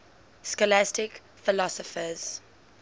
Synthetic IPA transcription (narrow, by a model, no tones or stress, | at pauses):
skɔlastɪk | fɪlɔsɔfəz̥